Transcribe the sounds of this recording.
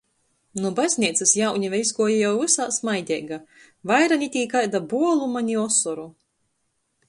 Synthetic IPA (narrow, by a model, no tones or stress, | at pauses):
nubazʲnʲiɛt̪sɨsjawɲʲivɛzɡuɔjajawvɨsaːsmajd̪ʲɛ̰ɡa | vajɾanʲit̪ʲiːkajd̪abuɔlˠumanʲiɔsɔɾu